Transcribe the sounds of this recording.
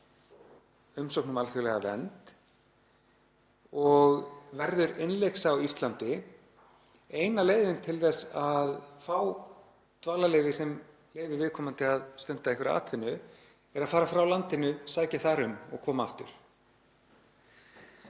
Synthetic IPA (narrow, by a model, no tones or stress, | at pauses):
ʏmsowknʏmalθʏlɛɣa̰vɛ̰nt̪ | ɔɣvɛɾðʏɾɪnlejksawist̪lant̪ɪ | ejnaleːjðɪnt̪ʰɪlθɛsaðfaw | t̪vaːlaleːjvɪsɛm | leːjvɪɾvɪðkʰɔːmant̪ɪaðst̪œn̥t̪aɛhkvɪɾa̰ːt̪ʰvɪnːʏ | ɛɾaðfaːɾafɾawlant̪ɪnʏsaːcaθaɾʏmɔ̰ɣkʰɔːmaaft̪ʏ̰ɾ̥